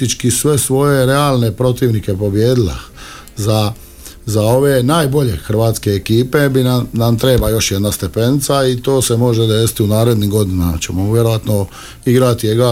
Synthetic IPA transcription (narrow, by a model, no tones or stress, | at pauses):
it͡ʃkisʋe̞sʋo̞je̞ɾe̞aːlˠne̞pɾo̞t̪iːʋnike̞po̞bje̞ːd̪ilḛ | za | zao̞ʋe̞naːjbo̞ʎe̞̰xr̩ʋaːt̪ske̞ːkiːpe̞binanamt̪ɾe̞ːbajo̞ʃjed̪nast̪e̞pe̞nit̪sait̪o̞ːse̞mo̞ʒed̪eːsi̥t̪iunaːɾe̞d̪niːɡo̞d̪inamat͡ɕe̞moʋjeɾo̞ʋat̪no̞ | iɡɾat̪ieɡɾa